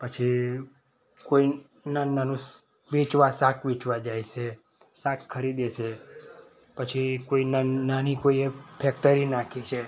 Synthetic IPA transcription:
pət͡ʃʰi | koi | nananũs | ʋet͡ʃʋasãkʰʋit͡ʃʋad͡ʒajʃe | sãkkʰːəɾid̪et͡ʃʰe | pət͡ʃʰikoinananikoiepʰɛk̚ʈəɾinakʰit͡ʃʰe

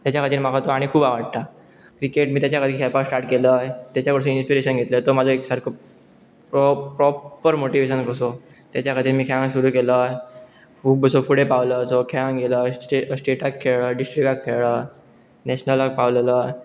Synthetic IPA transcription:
t̪jat͡ɕjakʰəd̪ʱiːɾm̤aɡat̪oaɽ̃ikʰuːbaʋəɽt̪a | kɾikeʈmiːt̪jat͡ɕjakʰəd̪ʱikʰɛlpaksʈaɾʈkeləːt̪jat͡ɕjaʋəɽs̬ə̃inspiɾeɕənɡʱet̪lət̪omad͡zʱoeksaɾkʰo | popɾɔpːəɾmoʈiʋeɕ̬ənkəsot̪jat͡ɕjakʰəd̪ʱiːɾmiːkʰãŋsuɾuːkelə | fuːbəsofuɽepaʋləːsokʰaŋɡeləʈesʈeʈakʰːeɭəːɖisʈɾikakʰːeɭəː | nɛɕnəlak̚paʋlələː

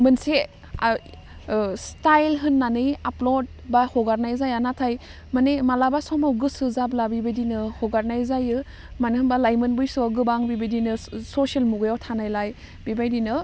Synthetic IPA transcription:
mɯnse | stajlɦɯnːanɯjaplod̚bahɔɡaɾnajzajanatʰaj | manemalabasɔmawɡɯsɯzablabibadinɯhɔɡaɾnajzajɯ | manɯhɯnbalajmɯnbɯjsɔɡɯbaŋbibajdinɯsosialmuɡɯjawtʰanajlaj | bibajdinɯ

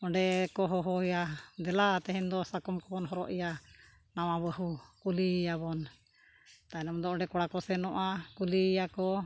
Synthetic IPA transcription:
ɔɳɖɛkɔɦɔɦɔijad̪ɛlat̪ɛɦɛnd̪ɔsakɔmkɔbɔnɦɔɾɔ̰ʔija | nawabəɦukulijabɔn | t̪aɛnamd̪ɔɔɳɖɛkɔɽakɔsɛnɔʔakulijakɔ

